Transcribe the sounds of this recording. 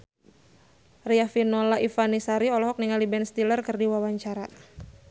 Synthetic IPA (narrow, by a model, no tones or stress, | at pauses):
riafinolaʔifanisaɾiɔlɔɦɔk̚niŋalibɛnst̪ilərkərdiwawaɲt͡ʃaɾa